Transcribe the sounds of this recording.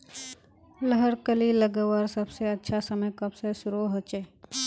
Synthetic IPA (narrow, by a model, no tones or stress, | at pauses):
ləɦəɾkəliləɡəwaɾsəbseətːʃʰasəməjkɐbsesʊɾoɦət͡ʃe